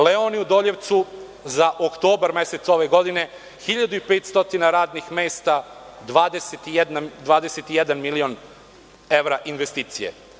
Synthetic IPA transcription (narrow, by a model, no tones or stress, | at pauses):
leoniud̪o̞ːʎeʋt̪su | zaʔokt̪o̞ːbaɾmeset̪so̞ʋe̞ɡo̞d̪ine̞ | xiʎad̪uipeːt̪st̪o̞t̪inaɾaːd̪nixmeːst̪ad̪ʋaːd̪eset̪ijed̪nad̪ʋaːd̪eset̪ijɛd̪anmilion | e̞ʋɾaʔinʋest̪iːt̪sijḛ